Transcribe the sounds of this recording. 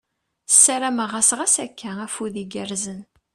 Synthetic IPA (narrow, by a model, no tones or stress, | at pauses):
sːæɾæməʁasʁæsækʰːææfuðiɡəɾzən